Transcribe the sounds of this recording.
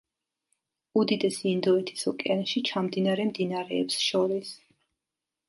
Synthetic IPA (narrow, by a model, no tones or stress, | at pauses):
ud̪id̪ɛsiːnd̪ɔɛt̪ʰi̥sɔkʼɛanʃit͡ʃʰamd̪inaɾɛmd̪inaɾɛːpsʃɔɾis